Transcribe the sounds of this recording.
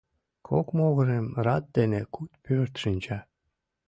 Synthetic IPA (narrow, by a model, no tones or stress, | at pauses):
kʰokmoɣɤ̆ɾemrɑt̪̚d̪enekut̪pʰøɾt̪ʃɨnt͡ɕɑ